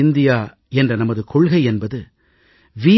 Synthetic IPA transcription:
ɪnd̪ɪjaː | ɛndrɐnɐmɐðɯkʰɔɭɣɐɪɛnbɐðɯ | ʋiː

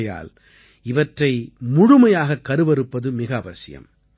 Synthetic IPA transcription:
ja̰ːl | ɪʋɐʈrɐɪmʊɻʊmɐjaːɣɐkːɐɾɯʋɐɾɯpːɐðɯmɪɣɐːʋɐsɪjɐ̰m

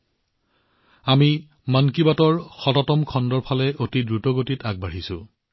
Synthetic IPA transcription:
ami | mankibatɔɹxɔtɔtɔmkʰɔndɔɹpʰalɛʔotidɹutɔɡotitaɡ̚baɹisʊ̰

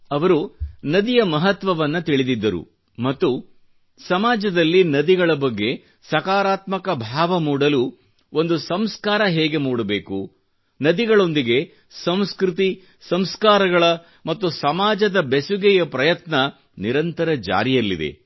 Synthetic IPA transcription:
ɐʋɐɾunɐd̪ijɐmɐɦɐt̪ʋɐʋɐnːɐt̪iɭid̪id̪ːɐɾṵ | mɐt̪ːu | sɐmaːd͡ʒɐd̪ɐlːinɐd̪iɡɐɭɐbɐɡːe̞ | sɐkaːɾaːt̪mɐkɐbʱaːʋɐmuːɽɐlu | o̞nd̪usɐmskaːɾɐɦeːɡe̞muːɽɐbeːku | nɐd̪iɡɐɭo̞nd̪iɡe̞ | sɐmskɾit̪̬i | sɐmskaːɾɐɡɐɭɐ | mɐt̪ːusɐmaːd͡ʒɐd̪ɐbesuɡɛjɐpɾɐjɐt̪nɐ | niɾɐnt̪ɐɾɐd͡ʒa̰ːɾijɐlːḭd̪ḛ

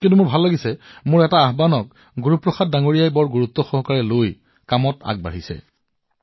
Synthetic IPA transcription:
kintumʊɹbʱalːaɡisɛmʊɹɛtaːɦbanɔk̚ | ɡuɹupɹɔxad̚daŋoɹijajbɔɹɡuɹut̪ːɔxɔɦɔkaɹɛloj | kamɔta̰ɡ̚ba̰ɦisɛ̰

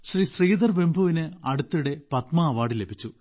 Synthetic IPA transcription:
ɕrisriːd̪ɐrbe̞mbʱuʋinɨɐɽut̪ːujuɽe̞pɐt̪maːʋaːɽile̞bʱit͡ɕːu

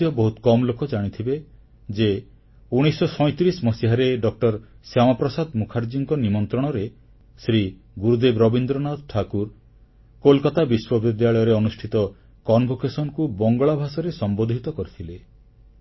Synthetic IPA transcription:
jɔbɔɦut̪kɔmɔlokɔd͡ʒaɽ̃it̪ʰibe | d͡ʒe | uɽ̃isɔsɔj̃t̪ɾismɔsiɦaɾeɖɔk̚ʈɔɾsjamapɾɔsad̪mukʰaɾd͡ʒiŋkɔnimɔnt̪ɾɔɽ̃ɔɾe | sɾi | ɡuɾud̪ebɾɔbind̪ɾɔnad̪ʈʰakuɾ | kolkat̪abiswɔbid̪jaɭɔjɔɾeɔnusʈʰit̪ɔ | kɔnbʱokesɔnɔkubɔŋɡɔɭabʱasɔɾesɔmbod̪ʱit̪ɔkɔɾit̪ʰile

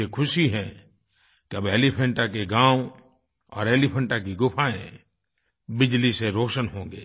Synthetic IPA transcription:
ekʰʊsiɦɛ̃ | kiɐbeːlipʰə̃ɳʈakeɡãːw | ɔ̰ːɾeːlipʰə̃ɳʈakiɡʊpʰaːẽ | bɪd͡ʒliseɾoːʃənɦõːŋ̆ɡḛː

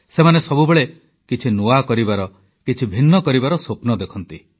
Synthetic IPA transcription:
semanesɔbubeɭe | kit͡ʃʰinuakɔɾibaɾɔ | kit͡ʃʰibʱinːɔkɔɾibaɾɔsopnɔd̪ekʰɔnt̪i

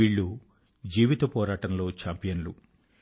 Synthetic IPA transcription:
iːɭːu | d͡ʒiːʋit̪ɐpɔːɾaːʈɐmlo̞ːt͡ʃaːmpijɐnlu

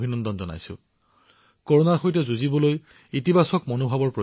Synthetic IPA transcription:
bʱinɔndɔnzɔna̰jsʊ̰̃ | koɹonaɹxojtɛzuzibɔloj | itibasɔkmonobʱabɔɹpɹɔ

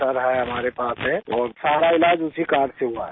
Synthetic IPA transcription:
aɾəɦaeɦəmaɾepasẽɔːɾsaɾailad͡ʒusʰikaɾseɦua̰ɦɛ̰

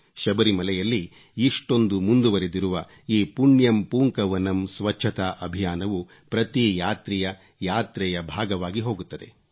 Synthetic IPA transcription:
ʃɐbɐɾimɐlɛjɐlːiː | ʂʈo̞nd̪umund̪uʋɐɾed̪iɾuʋɐ | iːpuɳjɐmpuːŋkɐʋɐnɐmsʋɐt͡ʃːt͡ʃʰɐt̪aːʔɐbʱijaːnɐʋu | pɾɐt̪ijaːt̪ɾɛjɐ | jaːt̪ɾɛjɐbʱaːɡɐʋaːɡiɦo̞ːɡut̪ːɐd̪e̞

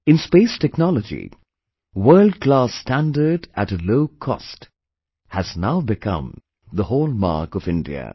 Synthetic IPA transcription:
ɪ̃nspeɪstʰɛknɔləd͡ʒḭ | wɜ˞ld̚klastæ̃ndə˞ɖætəloʊkʰɔ̰st | hæznaʊbɪkʰʌ̰̃m | ðəhoːlˠma̰ɹkɔvɪ̃ndḭə̰

